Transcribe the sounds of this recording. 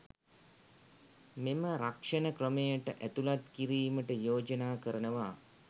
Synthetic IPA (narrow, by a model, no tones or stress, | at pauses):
meməɾakʂɐnəkrəmejəʈəʔæt̪ulat̪kiɾiːməʈəjoːd͡ʒənaːkəɾənəʋaː